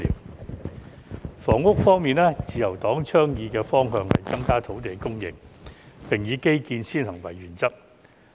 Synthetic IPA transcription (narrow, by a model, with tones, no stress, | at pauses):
ḭː˨w | fɔː˨˩ŋːʊ˥k̚fɔː˥ŋmiː˨nɛː˥t͡siː˨jɐ˨˩wt̪ɔː˨˥ŋt͡ʃʰœː˥ŋjiː˨˧kɛː˧fɔː˥ŋɦœː˧ŋhɐ̰˨˩jt͡sɐ˥ŋkaː˥t̪ʰo˨˥wt̪e˨˩jkʊ˥ŋjɪ̰˨˩ŋpɪ˨˩ŋjiː˨˧ke˥jkiː˧nsiː˥nhɐ˨˩ŋwɐ̰˨˩jːyː˨˩nt͡sɐ˥k̚